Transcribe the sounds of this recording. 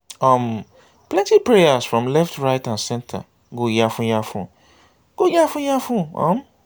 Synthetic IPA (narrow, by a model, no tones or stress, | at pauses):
ɔ̃m | plɛ̃ntipɹejasfɹɔ̃mlɛftʰɹaɪtãnsɛ̃ntʰa̰ | ɡojafʊ̃jafʊ̰̃ | ɡ̥ojafʊ̃jafũɔ̰̃m